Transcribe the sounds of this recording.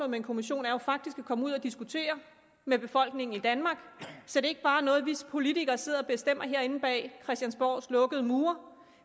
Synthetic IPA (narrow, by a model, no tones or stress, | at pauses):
ɔmee̝nkʰo̝miɕo̝̰ːnæɐjofɑ̈ɡ̥̚d̥isɡ̥ækʰɒ̽muð̰ˠɐd̥isɡ̥ut͡sʰe̝̰ːɐ | meb̥e̝fɒ̽l̰ɡ̥ne̝ŋn̩id̥ænmɑ̈ːɡ̥sɒ̽d̥e̝e̝ɡ̥əb̥ɑ̈ːnɔ̽ːð̞̩ˠʋispʰo̝lit͡sʰiɡ̥ɐːse̝ð̰ˠɒ̽b̥e̝sd̥em̰ɐɦe̝ɐe̝nn̩b̥ɛ̰ːkʰʁɛsd̥jænsb̥ɒ̰ːslɔ̽ɡ̥əð̞̩ˠmuːɐ